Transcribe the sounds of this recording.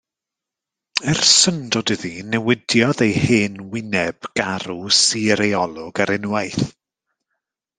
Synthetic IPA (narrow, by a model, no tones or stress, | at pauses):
ɛrsəndɔdɨðinɛwɪdjɔðejheːnwɪnɛb̥ɡ̥aɾusiɾejɔlˠɔɡaɾɪnwajθ